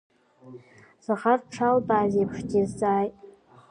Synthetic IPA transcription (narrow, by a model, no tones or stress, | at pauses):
z̥aχarʈ͡ʂʰalbaːzepʰʂɡʲizt͡sʼaːjtʼ